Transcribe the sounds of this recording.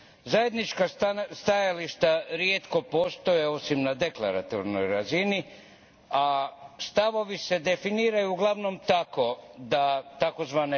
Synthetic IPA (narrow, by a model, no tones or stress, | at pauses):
zaje̞d̪nit͡ʃkast̪ajaliʃt̪aɾijet̪ko̞po̞ːst̪o̞jeo̞simnad̪e̞kla̰ɾa̰t̪o̰ɾno̰jɾazini | ast̪aʋo̞ʋise̞d̪e̞finiːɾajuːɡlˠaʋno̞mt̪ako̞d̪at̪ako̞zʋaːne